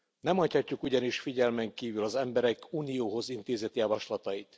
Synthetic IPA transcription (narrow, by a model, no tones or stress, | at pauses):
nɛmhɒchɒcːukuɟɒniʃfiɟɛlmɛŋkiːvylɒzɛmbɛɾɛkuːnijoːɦo̞zint̪eːzɛt̪jɒvɒʃlɒt̪ɒjit̪